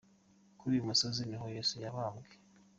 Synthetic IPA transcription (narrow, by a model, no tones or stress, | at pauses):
kuɾiumusoziɲiɦojesujaβaːmɡe